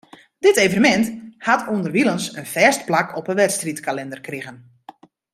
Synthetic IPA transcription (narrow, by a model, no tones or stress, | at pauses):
dɪtejvənəmɛnthatʰuəndərʋilˠənsənfɛːstplakɔpənʋɛtstritkalɛndərkrɪɣən